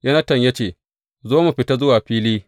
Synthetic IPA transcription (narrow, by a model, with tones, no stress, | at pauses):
jɐ˦nɐ˦tɐ˨ɲja˦t͡ʃeː˨ | zoː˦mu˨ɸɪ˨ta˦zʊ˦waː˨ɸiː˦liː˦